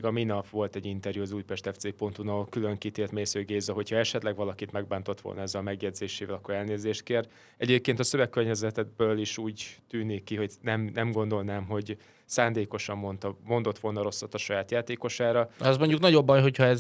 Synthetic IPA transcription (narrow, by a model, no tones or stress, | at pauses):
ɡɒminɒpʋo̞lt̪ɛɟint̪ɛrjuɒzuːjpɛʃt̪ɛft̪seːpo̞nt̪unɒlkylø̞ŋkit̪eːrt̪meːsøːɡeːzɛɦo̞chɒɛʃɛt̪lɛɡʋɒlɒkit̪mɛɡ̚baːnt̪o̞t̪ʋo̰lnɒɛzːɛlɒmɛɡjɛd̪zeːʃeːvɛlɒkːoɾɛlneːzeːʃt̪̚keːr | ɛɟeːp̚keːnt̪ɒsø̞vɛkːørɲɛzɛt̪ɛbøːliʃuːɟt̪yːnikːiɦo̞ɟnɛmnɛmɡo̞nd̪o̞lnaːmɦo̞ɟ | saːnd̪eːko̞ʃɒmːo̞nt̪ɒmo̞nd̪o̞t̪ʋo̞lnɒɾo̞sːɒt̪ːɒʃɒjaːt̪jaːt̪eːko̞ʃaːɾɒɛzmoɲɟuknɒɟo̞bːɒjɦo̞chɒɛz